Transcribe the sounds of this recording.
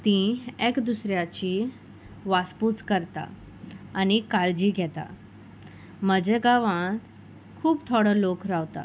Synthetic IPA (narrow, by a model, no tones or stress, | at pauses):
t̪ĩekd̪usɾjat͡ɕi | ʋasput͡skəɾt̪a̰ | anikald͡ʑiːɡʱɛt̪a̰ | məd͡ʑəɡaʋãt̪ | kʰuːpt̪ʰɔɽəlokɾaʋt̪a̰